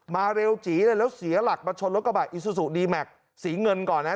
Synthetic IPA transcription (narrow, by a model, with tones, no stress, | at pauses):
maː˧ɾe˧wt͡ɕiː˩˦lɤː˧lɛː˦˥wsi˩˦ɐla˨˩k̚maː˧t͡ɕʰo˧nlo˦˥t̚a˧baː˨˩ʔi˨˧˩su˧su˨˩ʔdiː˧mɛ˨˩k̚ | siː˩˦ŋɤ˧nkɔː˨˩nːa˦˥